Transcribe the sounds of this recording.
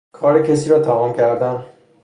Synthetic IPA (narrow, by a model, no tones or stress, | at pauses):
kʰɒːɾecʰes̬iːɾɒːt̪ʰæmɒːmcʰæɾd̪æn